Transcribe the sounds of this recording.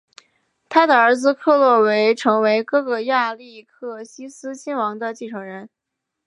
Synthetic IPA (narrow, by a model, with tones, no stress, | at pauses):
t̪ʰa˥d̪ə˧˨ə˞˧˥d͡zɹ̩˧kʰɤ˥˧lwɔ˥˩we˧˥ɪʈ͡ʂʰɤ˧˥ŋwe˧˥ɪkɤ˥˩ɡə˧˩ja˥˧li˥˧kʰɤ˥˩ɕi˥sɹ̩˥t͡ɕʰi˥nwɑ˧˥ŋd̪ə˧t͡ɕi˥˩ʈ͡ʂʰɤ˨˥˩ŋɻə˧˥n